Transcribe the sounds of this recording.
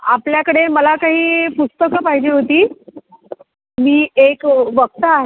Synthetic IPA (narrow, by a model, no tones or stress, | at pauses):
apljakəɽeməlakaɦiːpust̪əkəpaɦid͡ʑiːɦot̪iː | miːekʋək̚t̪əaɦe